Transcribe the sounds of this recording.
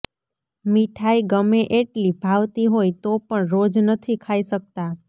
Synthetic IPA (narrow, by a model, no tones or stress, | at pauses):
miʈʰaiɡəmeʔeʈlibʱaʋt̪iɦojt̪opəɳɾod͡ʒnət̪ʰikʰaiʃək̚t̪a